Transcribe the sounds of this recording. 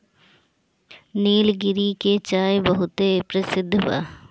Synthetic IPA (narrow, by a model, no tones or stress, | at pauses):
niːlɡɪɾiket͡ʃaːjbɐɦʊt̪epɾɐsɪd̪ʱːba̰ː